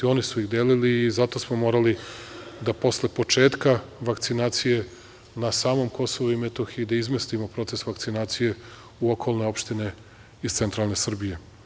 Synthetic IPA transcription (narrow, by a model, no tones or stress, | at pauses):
o̞nisuiɣd̪eːliliːzat̪o̞smomo̞ːɾalid̪apo̞sle̞po̞t͡ʃe̞ːt̪kaʋakt̪sinaːt̪sije̞ | nasaːmo̞ːmko̞so̞ʋuimet̪o̞xiid̪aizmest̪imopɾo̞t̪se̞sʋaktsinaːt̪sije̞ | uokʰo̞lˠne̞o̞pʃt̪ine̞ | izt̪se̞nt̪ɾaːlˠne̞sr̩bije̞